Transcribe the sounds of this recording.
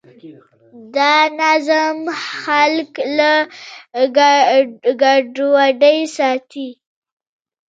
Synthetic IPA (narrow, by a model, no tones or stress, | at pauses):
d̪ɑnazamxalkla | ɡ | ɡaɖwaɖəjsɑt̪i